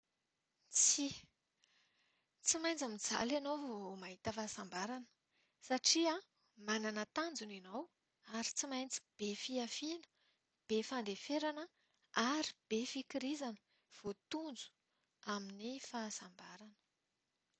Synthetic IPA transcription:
t͡si | t͡simajnt͡samid͡za̰lanowvomaɦit̪əfasambaɾanə̥ | saʈ͡ʂia | mananət̪and͡zuninaw | aɾit͡simajnt͡si̥b̥efiafinə̥ | b̥efand̪efeɾanə | aɾib̥efikiɾizanə̥ | v̥ot̪und͡zu̥ | aminifaːsambaɾanə̥

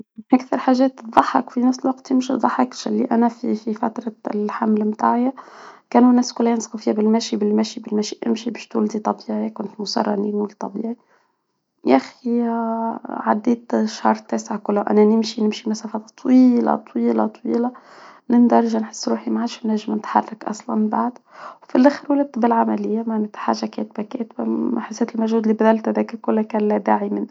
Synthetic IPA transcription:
ʔækθɑɾˤħaʒɛːt̪ðˤɑħːɑkfinæfsɪlwɑqt̪jɪmʃiðˤɑħːɑkʃɪlːiʔænæfififæt̪ɾˤɑlħamlmt̪a̰ːʕjakæːnunæːskʊlːhæjɪnsqufiːhæbɪlmæʃibɪlmæʃibɪlmæʃiʔɪmʃibɛʃt̪ʊld̪it̪ˤɑbiːʕikʊnt̪mʊsɑ̰rˤːɑ̰nḭːnwʊlt̪ˤɑbḭːʕi | jæxi | ʕa̰d̪ːiːt̪ʃhɑ̰ːɾˤt̪ːæːsɪʕkʊlːaʔa̰nanɪmʃinɪmʃimasaːfɑt̪ˤwiːlɑ̰t̪ˤwiːlɑ̰t̪ˤwiːlɑ | nɪnd̪ɑɾˤʒanħɪ̥sːɾuːħimaʕaːʃnːaʒmnɪt̪ħɑ̰rˤːɑkʔɑ̰sˤlɑ̰nba̰ʕd̪ | wfilʔaxɪɾwalad̪̚t̪bɪlʕamalɪjːamaʕnet̪ħa̰ːʒːakḛːt̪bakeːt̪baħɪsːet̪ɪlmaʒhuːd̪libæd̪alt̪hæðæːkakʊlːakæːnlæd̪aːʕimɪn

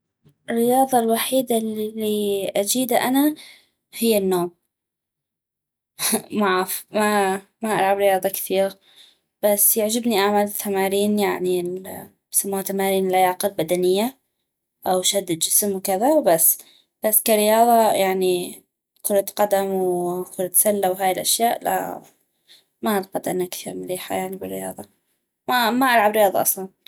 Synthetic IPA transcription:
ɪrːɪjɑːðˤɑlwaħiːd̪alːiʔad͡ʒiːd̪aʔana | hɪjːanːoːm | maʕafma | maʔaɾˤʕabɾɪjɑːðˤɑkθiːɣa | b̥asːjaʕd͡ʒɪbniʔaʕmalt̪ːamaːɾiːnjaʕni | samːat̪amaːɾiːnlʔajaːqɪlbad̪anɪjːa | ʔawʃad̪ːɪd̪d͡ʒɪsmwkɪðawbasː | b̥asːkaɾɪjɑːðˤɑjaʕni | kʊɾˤt̪qad̪amwkʊɾˤt̪salːawɦaːjɪlʔaʃjaːʔla̰ | maʔalqɑd̪ʔanːakθiːɾmʊliːħa̰jaʕnibɪrːɪjɑ̰ːðˤɑ | mamaʔalʕabɾɪjɑːðˤɑʔɑ̰sˤlɑn

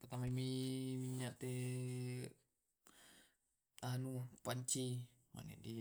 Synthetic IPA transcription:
p̪ət̪amamimiɲaʔt̪e | anupaɲt͡ʃi | ma̰nɛ̰ʔdi

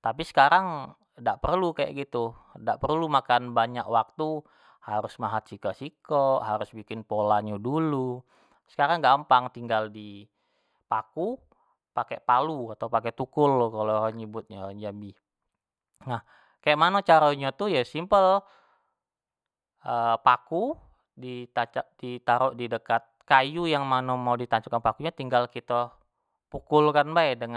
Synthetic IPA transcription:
t̪apisə̥kaɾaŋ | daʔpərlukaja̰ʔɡit̪udaʔpərlumakanbaɲakwak̚t̪u | haɾʊsmaɦat̪̚sikaʔsikɔʔɦaɾʊsbikɪnpolaɲadulu | sə̥kaɾaŋɡampaŋt̪iŋɡaldi | paku | pakeʔpaluat̪aupakɛt̪ukʊlːkaloaɲəbʊt̪̚ɲaaɲd͡ʒambi | nah | kajaʔmanot͡ʃaɾoɲat̪ujasimpəl | ʔəpaku | dit̪at͡ʃaʔdit̪aɾɔʔdidəkat̪̚kajujaŋmanomaudit̪aɲt͡ʃukanpakuɲat̪iŋɡalkit̪a | pukʊlkanbaɛdəŋ

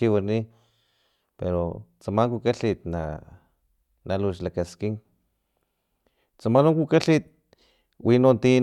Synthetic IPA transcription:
iwani | peɾo̰t͡samaŋkukaɬit̪na̰ | naluʃlakaskiŋ | t͡samanoŋkukaɬit̪̚ | winont̪i

